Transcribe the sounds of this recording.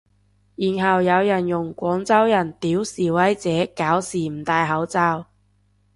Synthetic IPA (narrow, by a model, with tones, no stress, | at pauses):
jiː˨˩nɦɐ˨wjɐ˨˧wjɐ˨˩njʊ˨˩ŋkʷɔː˨˥ŋt͡sɐ˥wjɐ˨˩nt̪iː˨˥wsiː˨˩wɐ˨˥jt͡sɛː˨˥kaː˨˥wsiː˨˩m̩˨˩t̪aː˧jɦɐ˨˥wt͡saː˧w